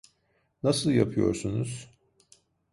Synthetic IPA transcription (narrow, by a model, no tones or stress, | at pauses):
nasɯlˠja̰pʰɯjo̞̰ɾsunuz̥